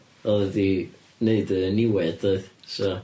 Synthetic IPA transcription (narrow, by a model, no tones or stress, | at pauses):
ɔlˠði | neɨdəənɪwɛdoɨðsɔ